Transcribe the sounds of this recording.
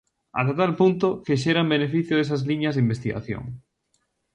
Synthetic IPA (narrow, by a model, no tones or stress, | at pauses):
a̰st̪at̪alpunt̪okeʃeɾambenefiθjoðes̬azliɲazðimbest̪iɣa̰θjo̰ŋ